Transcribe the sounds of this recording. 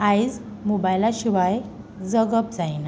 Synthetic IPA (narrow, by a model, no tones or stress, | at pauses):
aid͡z | mobajlaɕiʋaj | d͡zəɡəpd͡zajna